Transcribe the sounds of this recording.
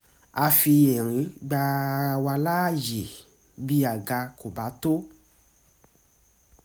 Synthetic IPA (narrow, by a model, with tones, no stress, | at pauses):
a˧fi˧jɛ˨ɾ̃ĩ˨˦ɡ͡ba˧wa˧la˦˨je˨ | bi˦a˨ɡa˧ko˨ba˨˦to˦